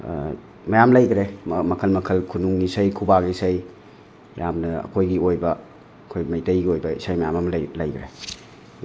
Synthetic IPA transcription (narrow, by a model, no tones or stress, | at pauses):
mɐjamlɐjɡɾemɐkʰɐlmɐkʰɐlkʰunuŋːisɐjkʰubaɡisɐj | ja̰mnɐɐ̰kʰojɡiojbɐ | ɐkʰojmɐjtɐjɡiojbɐisajmɐjamɐmllɐ̰jɡɾḛ